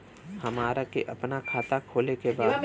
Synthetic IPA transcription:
hɐmaːɾakeʔɐpnakʰaːt̪akʰoːlekebaːd̪

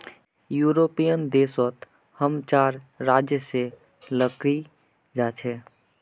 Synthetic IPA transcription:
juɾopijənd̪esət̪ | həmt͡ʃaɾːad͡ʒjəse | ləki | d͡ʒat͡ʃʰɛ

